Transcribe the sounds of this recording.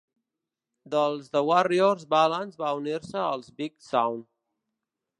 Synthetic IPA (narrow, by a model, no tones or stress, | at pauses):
d̪əlˠzðəwariorzbalənzβauniɾsəːlˠzbiksawn